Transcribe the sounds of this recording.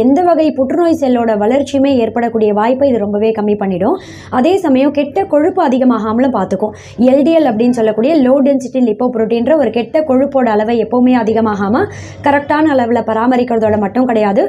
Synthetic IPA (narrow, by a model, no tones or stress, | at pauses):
ɛnd̪ɐʋɐɣɐɪpʊʈɾɯnoːjsɛlːoːɽɐʋɐɭɐɾt͡ʃːimeːeːɾpɐɽɐkːuːɽɪjɐʋaːjpːɐɪðɯɾɔmbɐʋeːkɐmːipɐɳːɪɽʊ̃ | ɐðeːsɐmɐjʊ̃kɛʈːɐkɔɻɯpːɯɐðɪɣɐmaːɣaːmɐlɯ̃mpaːɾt̪ɯkːʊ̃ | ɛlɖɪjɛlɐpːɐɽɪnːɯsɔlːɐkːuːɽɪjɐloːɖɛnsɪʈːɪnlɪpːoːpɾoːʈːiːnɾɐɔɾɯkɛʈːɐkɔɻɯpːoːɽɐːɭɐʋɐɛpːɐʋɯmeːɐðɪɣɐmaːɣaːmɐ | kɐɾɛk̚ʈaːnɐːɭɐʋɪlɐpɐɾaːmɐɾɪkːɐɾɐðoːɽɐmɐʈːɯ̃mkɐɽɐjaːðɯ